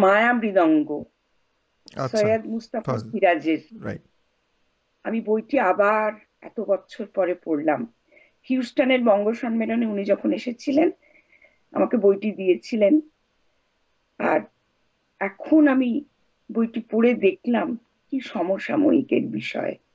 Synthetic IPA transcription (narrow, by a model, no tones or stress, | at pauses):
maeamɾid̪ɔŋɡo | soad̪must̪afofiɾad͡ʑeɾ | amibojʈiabaɾ | ɛ̰t̪obɔtːɕʰoɾpɔɾepoɽlam | hiusʈaneɾbɔŋɡoʃɔnmeloneunid͡ʑɔkʰoneʃet͡ɕʰilen | a̰makebojʈid̪ijet͡ɕʰilen | a̰ɾ | ɛkʰonami | bojʈipoɽed̪ekʰlam | kiʃɔmoʃːa̰mo̰ikḛɾbiʃɔ̰e